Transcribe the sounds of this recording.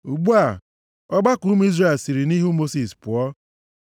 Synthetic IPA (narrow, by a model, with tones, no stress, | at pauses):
u˨ɡ͡bu˦a˨ | ɔ˦ɡ͡ba˦ku˦m˦i˦zre˦˨e˨lsi˨ɾi˨ni˦ɦu˦mo˦si˨spʊ˨ɔ˦